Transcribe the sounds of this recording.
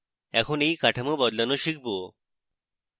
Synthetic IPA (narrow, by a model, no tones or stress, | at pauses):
ɛkʰonejkaʈʰamobɔd̪lanoʃik̚ʰbo